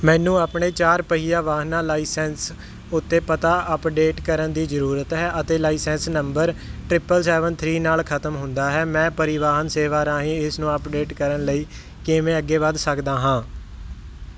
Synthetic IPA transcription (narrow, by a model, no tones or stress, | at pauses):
mɛ̃ːnũːaːpɳeːt͡ʃaːɾpəɦiːjaːʋaːɦnaːlaːiːsɛːns | ʊt̪ːeːpət̪aːʔəpɖeːʈkəɾənd̪iːzəɾuːɾət̪ɦɛːʔət̪eːlaːiːsɛ̃ːnsnəmbəɾʈɾɪpəlsɛːʋənt̪ʰɾiːnaːlkʰət̪əmɦʊnd̪aːɦɛːmɛ̃ːpəɾɪʋaːɦənseːʋaːɾãːɦĩːɪsnũːəpɖeːʈkəɾənləiː | kɪmẽːəɡːeːbaːd̪səkd̪aːɦãː